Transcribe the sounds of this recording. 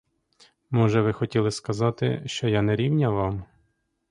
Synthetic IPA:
mɔʒɛʋɪxɔtʲilˠɪskɐzɑt̪ɪ̰ʃt͡ʃɔjanɛɾʲiwnʲɐʋɑm

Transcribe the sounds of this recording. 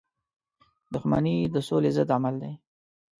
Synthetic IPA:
d̪ʊxma̰nid̪əsolezəd̪amald̪e

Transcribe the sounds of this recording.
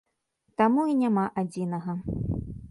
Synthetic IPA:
t̪amuinʲamaʔad͡zʲinɐɣɐ

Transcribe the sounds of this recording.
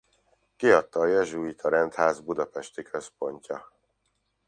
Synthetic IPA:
kiɒt̪ːɒːjɛʒuit̪ʰɒɾɛnt̪haːzbud̪ɒpɛʃt̪ikøspo̞ɲcɒ

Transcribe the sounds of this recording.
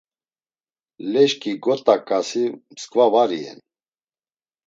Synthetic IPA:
lɛʃkʼiɡɔt̪ʼakʼasiməskʼvavaɾiɛ̰n

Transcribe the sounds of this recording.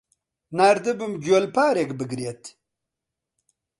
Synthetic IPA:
naːɾd̪ebumd͡ʑolpaːɾekbəɡɾiet̪

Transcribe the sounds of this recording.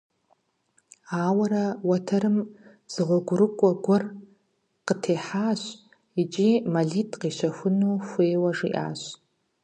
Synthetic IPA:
aːwɐɾɐwɐtʰɐɾɨm | z̥ɨʁʷɔɡʷʊɾɨkʷʼɐɡʷɔr | qətʰeːħaːɕ | it͡ʃʼimaɮitʰʼqiʃʷɐxʷʊnoːxʷeːwɐʐḭʔa̰ːɕ

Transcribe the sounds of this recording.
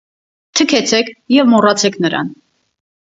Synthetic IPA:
t̪ʰəkʰɛt͡sʰɛkʰjɛvmɔrɑt͡sʰɛkʰnəɾɑ̰n

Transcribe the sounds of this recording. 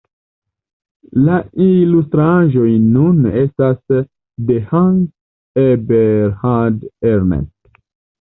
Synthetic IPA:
lailustɾaʒo̞jnunestas | dehaŋ | ebeɾhadeɾnḛn

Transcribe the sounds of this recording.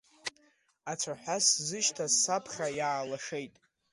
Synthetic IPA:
at͡sʷʰaħʷᶣaszɨʃtʰasːapʰχʲajaːlaʂe̞jtʼ

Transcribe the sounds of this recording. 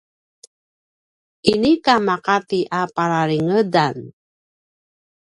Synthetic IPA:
ʔinikamaqat̪iʔapaɾaɾiŋədan

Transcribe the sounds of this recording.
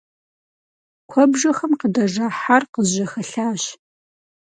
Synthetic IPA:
kʷʰɔbʒɐxɐmqədɐʐaːħarqəzʑɐxɐɬaːɕ

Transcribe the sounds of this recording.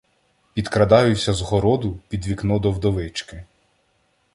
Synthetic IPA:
pʲid̪kɾɐd̪ɑjʊsʲɐzɦɔɾɔd̪ʊpʲid̪ʋʲiknɔd̪ɔwd̪ɔʋɪt͡ʃkɪ

